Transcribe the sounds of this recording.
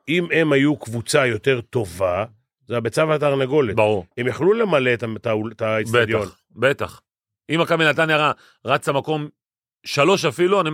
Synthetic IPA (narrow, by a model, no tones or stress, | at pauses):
imemajukvut͡sajo̞t̪e̞ʁt̪o̞va | zeabet͡savat̪aʁnaɡo̞letbaʁuemjaχlule̞maletat̪auet̪aisbead̪jon | bet̪aχ | imakabinat̪anjaʁa | ʁat͡samako̞m | ʃalo̞ʃafiluani